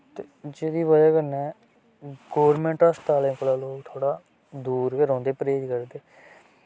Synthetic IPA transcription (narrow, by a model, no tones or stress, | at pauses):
t̪e | d͡ʒeːd̪iːʋəd͡ʒaːkəɾnɛː | ɡoːɾmɛ̃ːɳʈaːst̪aːlẽːkolaːloːkt̪ʰoːɽaː | d̪uːɾkeɾɔ̃ːnd̪eːpəɾeːd͡ʒkəɾd̪eː